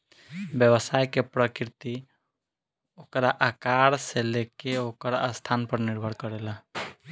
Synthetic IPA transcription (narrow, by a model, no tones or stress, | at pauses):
bjəwəsajkepɾəkɾt̪i | okɾaʔəkaɾselekeokɾaʔəst̪ʰanpəɾniɾbʱəɽkəɾela